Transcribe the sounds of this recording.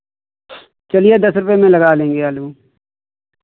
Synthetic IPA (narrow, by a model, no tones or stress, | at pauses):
t͡ʃəlijed̪ɐsɾʊpemẽlɐɡaːlẽːŋɡeaːlũː